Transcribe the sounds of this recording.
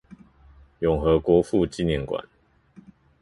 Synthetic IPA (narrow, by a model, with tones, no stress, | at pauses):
jʊ˨˩ŋxɤ˨˦kwɔ˨˦fu˥˧˨t͡ɕi˥˧njɛ˥˨nkwa̰˨˦n